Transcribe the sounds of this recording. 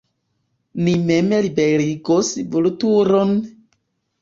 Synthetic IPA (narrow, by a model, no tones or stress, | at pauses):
nimemelibeɾiɡosibulutuɾon